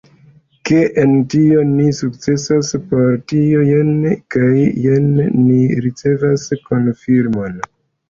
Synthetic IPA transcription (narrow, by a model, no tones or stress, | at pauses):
ke̞ʔentio̞nisuk̚t͡se̞saspo̞ɾtio̞jenkajjenːiɾit͡se̞vasko̞nfiɾmo̞n